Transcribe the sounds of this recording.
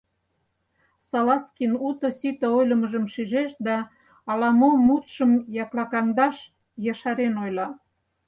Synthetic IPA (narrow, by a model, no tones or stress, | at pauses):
sɑlɑskinut̪ŏsit̪ə̆ojlə̆məʒəmʃyʒeʃd̪ɑː | lɑmomut̪ʃəmjɑklɑkɑmd̪ɑʃ | jɑʃɑɾenojlɑ